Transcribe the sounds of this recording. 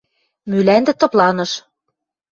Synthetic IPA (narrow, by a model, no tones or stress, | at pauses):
mylænd̪ɘ̆t̪ɤ̆plɑnɤ̆ʃ